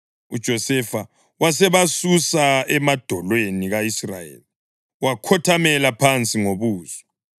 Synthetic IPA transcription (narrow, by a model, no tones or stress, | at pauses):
ud̥ʒ̥ʱɔsɛfa | wasɛβasusaɛmad̥ʱɔlweniɣaisra̰jḛːli | wakʰɔtʰamɛlapʰant͡sʼiŋoβuːz̥ɔ